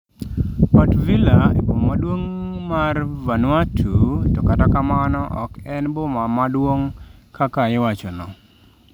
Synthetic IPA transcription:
ɔtvilaebomadwoŋmarvanwatʰutɔkatakamanɔʔɔ̰kɛnbɔmamadwoŋkakaɪwat͡ʃɔnɔ

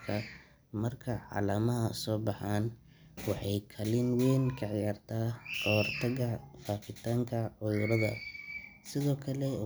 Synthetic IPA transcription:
kʰɐ | mɐrkʰɐʕɑ̰ːlaːmɐɦɐsɔːbɑħaːn | wɑħɑjkʰɐlɪnwɛːnkʰɐʕjaːrt̪ʰaːkɐrt̪ʰɐɣɐfaːqɪt̪ʰaːŋkʰɐʕʊjʊɾɐðɐ̰sɪðɔːkʰɐlɛ

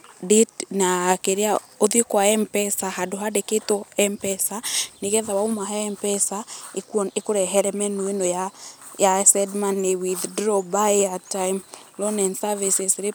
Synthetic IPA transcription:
ditnakeɾea | oðiekwaɛmpɛsaɦadoɦadeketɔɛmpɛsaneɣɛðawaomaɦɛɛmpɛsaekwɔnekoɾɛɦɛɾɛmɛnoenɔja | jasɛdmanewiðdɾɔbaeatajmlɔnɛnsavisesɾe

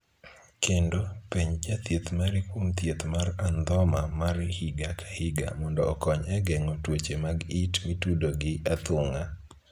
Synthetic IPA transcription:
kendopiɲd͡ʒat̪jet̪maɾɪkwomt̪jet̪maɾand̪ɔmamarhiɡakʰḁhiɡa̰mɔndɔːkɔɲɛɡɛŋɔtwot͡ʃemaɡitwitudoɡɪat̪ʊŋa

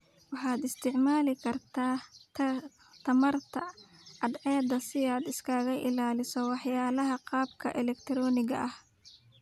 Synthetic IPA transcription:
wɑħɑːd̪ɪst̪ʰɪʕmaːlɪkʰɐrt̪ʰaː | t̪ʰɐmɐrt̪ʰɐ | ɐd̪ʕɛːd̪ɐsɪaːd̪ɪskʰaːɣɐʔɪlaːlɪsɔwɑħjaːlɐɦɐqɑːbkʰɐʔɛlɛkt̪ʰɾɔːnɪɣɐ̰ʔɐh

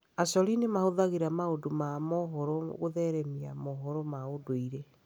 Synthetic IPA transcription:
asɔlinemahoðaɣiɾamaodomamɔɦɔɾɔɣoðɛɾɛmiamɔɦɔɾɔmaodoiɾe

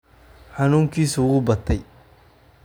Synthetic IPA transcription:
ħɑnuːŋkʰiːsʊʊɣʊbɐt̪ʰɛj

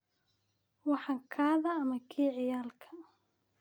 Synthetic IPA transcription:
wɑħɑŋkʰaːðɐːmɐkʰiːʕɪjaːlkʰɐ

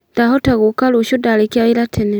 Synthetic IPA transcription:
d̥aɦɔtaɣukaluʃodalekiailatʰene

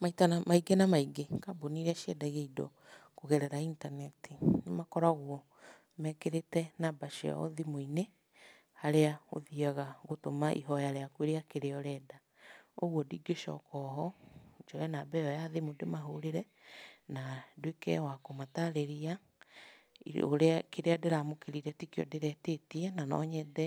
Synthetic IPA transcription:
maitanamaiɡenamaiɡekaboniɾaʃiɛdaɣeidɔ̰ | koɣɛɾɛɾaintanɛtinemakɔɾaɣwɔ | mɛkeɾetɛnabaʃḛɔ̰ðimoine | haɾeao̰ðiaɣaɣotomaʔḭɦɔjaɾeakweɾeakeɾeɔɾɛːda | oɣwɔdiːɡeʃɔ̰kɔɦɔd͡ʒɔɛnabɛjɔjaðemodemaɦoɾeɾɛ | nadwekɛ̰wakomataɾeɾia | o̰ɾeakeɾeadeɾamokeɾiɾɛtikjɔ̰deɾɛteteɛnanɔ̰ɲɛdɛ

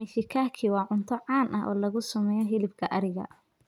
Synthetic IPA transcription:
mɪʃɪkʰaːkʰiwɑːʕʊnt̪ʰɔʕɑːnʔɐɦʔɔ̰ːlɐɣʊsɐmɛːjɔɦɪlɪbkʰɐʔɐɾɪɣɐ̰

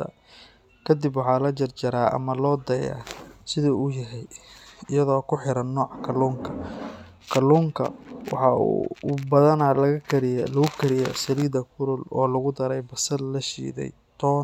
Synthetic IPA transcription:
ɐ̰ | kʰɐd̪ɪbwɑħɑːlɐt͡ʃɐrt͡ʃɐɾaːʔɐ̰mɐlɔːd̪ɐja̰ːsɪðɐuːjɐɦɛjɪjɐðɔːkʰʊħɪɾɐnːɔːʕɑkʰɐluːŋkʰɐ | kʰɐluːŋkʰɐ̰wɑ̰ħɑṵbɐðɐnaːlɐɣɐkʰɐɾɪjlɐɣʊkʰɐɾɪjɔ̰sɐliːd̪ɐkʰʊɾʊlɔːlɐɣʊd̪ɐɾɛjbɐsɐllɐʃḭːðɛ̰j | t̪ʰɔː

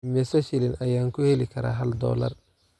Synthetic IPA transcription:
mɛsɐʃɪlɪnʔɐjaːŋkʰʊhɛlɪkʰɐɾa̰ːɦɐld̪ɔ̰ːlɐ̰r

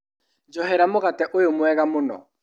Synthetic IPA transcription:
d͡ʒɔɦɛɾamoɣatɛʔojomwɛɣamonɔ̰

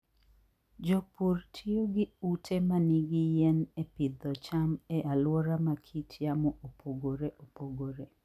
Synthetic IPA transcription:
d͡ʒopurtʰioɡɪutʰemaniɡijɛnepɪd̪ɔt͡ʃamɛʔalwɔɾamakʰitʰjamɔʔopʰoɡoɾeʔopoɡoɾe

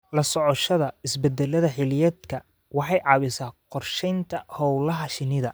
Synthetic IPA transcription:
lɐsɔʕɔʃɐðɐɪsbɛd̪ːɛlɐðɐħɪlɪjɐd̪kʰɐ | wɑħɑjʕɑβɪsaqɔrʃɛjnt̪ʰɐhɔwlɐɦɐʃɪnɪðɐ

